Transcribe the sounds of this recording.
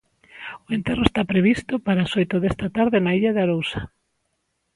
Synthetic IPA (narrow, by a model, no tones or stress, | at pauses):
oent̪eroest̪apɾeβ̞ist̪opaɾaːsojt̪oðest̪at̪aɾðɪnaiʎaðeaɾowsḁ